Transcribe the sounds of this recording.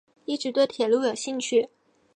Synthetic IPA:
i˥˩ʈ͡ʂɻ̩˧˥t̪we˥˩ɪt̪ʰjɛ˨˩lu˥˩jo˨˩ʊɕi˥˧ŋt͡ɕʰy˥˩

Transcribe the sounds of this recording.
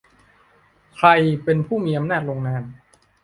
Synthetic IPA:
kʰɾa˧jpe˧npʰuː˥˩miː˧ʔa˧mnaː˥˩t̪̚ɾoː˧ŋnaː˧n

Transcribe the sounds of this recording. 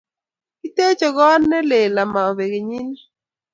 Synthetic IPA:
ki˦te˦t͡ʃɔ˨ɡɔ˦nːɛ˦le˨la˨ma˨ɔ˨βe˨ɡe˨ɲi˦n˦

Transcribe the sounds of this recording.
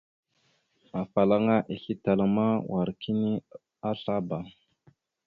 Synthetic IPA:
a˨fa˨la˦ŋa˦ʔi˨ɬi˦ta˨la˨ma˦wʔa˨ɾki˦ni˦ | a˦ɬa˦ba˨

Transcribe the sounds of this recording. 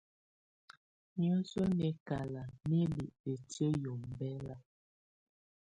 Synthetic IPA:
ɲɔ˦sɔ˦nɛ˨˦ka˨la˨ne˦be˨ʔpe˨tə˦jo˨mbɛ˦la˨

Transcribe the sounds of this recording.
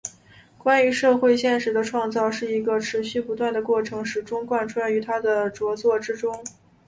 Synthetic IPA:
kwa˥ny˧˥ʂɤ˥˧xwe˥˧ɪɕjɛ˥˩nʂɻ̩˧˥d̪ə˧ʈ͡ʂʰwɑ˥˧ŋt͡sɑ˥˧ʊʂɻ̩˥˩i˧˥ɡə˧ʈ͡ʂʰɻ̩˧˥ɕy˥˩pu˧˥t̪wa˥˩nd̪ə˩kwɔ˥˩ʈ͡ʂʰɤ˧˥ŋʂɻ̩˨˩ʈ͡ʂʊ˥ŋkwa˥˧nʈ͡ʂʰu˥a˥˩y˧˥t̪ʰa˥d̪ə˨ʈ͡ʂwɔ˧˥t͡swɔ˥˩ʈ͡ʂɻ̩˥ʈ͡ʂʊ˥ŋ

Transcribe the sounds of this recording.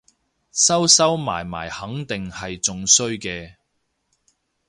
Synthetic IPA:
sɐ˥wsɐ˥wma̰ː˨˩jma̰ː˨˩jhɐ˨˥ŋt̪ɪ˨ŋhɐ˨jt͡sʊ˨ŋsɵ˥ɥkɛː˧

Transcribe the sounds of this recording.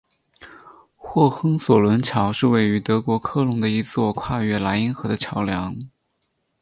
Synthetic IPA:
xwɔ˥˩xɤ˥ŋswɔ˨˩lwə˧˥nt͡ɕʰjɑ˧˥ʊʂɻ̩˥˧we˥˩ɪy˧˥t̪ɤ˧˥kwɔ˧˥kʰɤ˥˩lʊ˧˥ŋd̪ə˧i˧˥t͡swɔ˥˧kʰwa˥˧ɥɛ˥˩la˧˥ɪi˧˥nxɤ˧˥d̪ə˧t͡ɕʰjɑ˧˥ʊljɑ˧˥ŋ

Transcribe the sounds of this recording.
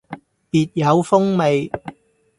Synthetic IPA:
piː˨t̚jɐ˨˧wfʊ˥ŋme˨j

